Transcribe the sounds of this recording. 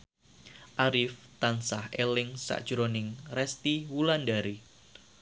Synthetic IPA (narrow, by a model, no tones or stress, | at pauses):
ʔaɾɪft̪ansahelɪŋsa̰ʔd̥ʒ̥ɾonɪŋrɛst̪iwulandaɾi